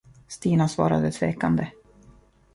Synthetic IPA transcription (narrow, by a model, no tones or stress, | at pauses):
st̪iːnasvɑ̰ːɾa̰d̪ət̪ʰveːkand̪ə